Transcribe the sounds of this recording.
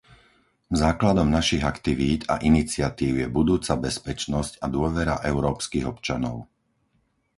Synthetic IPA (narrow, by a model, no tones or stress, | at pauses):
zaːklad̪ɔmnaʃiɣakt̪iʋiːd̪a̰ʔinit͡sɪat̪iːʊjɛbud̪uːt͡sabɛspɛt͡ʃnɔscad̪ʊɔʋɛɾa̰ʔɛʊɾɔːpskiːɣɔpt͡ʃanɔ̰ʊ